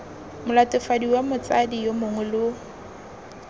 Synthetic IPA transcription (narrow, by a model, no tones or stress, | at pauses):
mʊlatʼɪfadiwamʊt͡sadijomʊŋʊlʊ